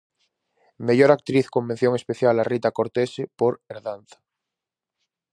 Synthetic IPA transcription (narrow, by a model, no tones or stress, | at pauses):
me̞ʝoɾak̚t̪ɾiθko̞mben̟θjoŋe̞spe̞θjalarit̪akoɾt̪esepoɾeɾðanθḁ